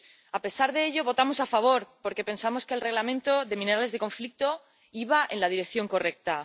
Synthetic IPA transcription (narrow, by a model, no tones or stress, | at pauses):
ape̞saɾðe̞eʎo̞βo̞t̪amo̞safaβ̞o̞ɾpo̞ɾke̞pe̞nsamo̞ske̞ːlre̞ɣlamẽnt̪o̞ðe̞mĩne̞ɾale̞zðe̞ko̞ɱflik̚t̪o̞ | iβaʔenlað̞iɾe̞kθjo̞ŋko̞re̞k̚t̪a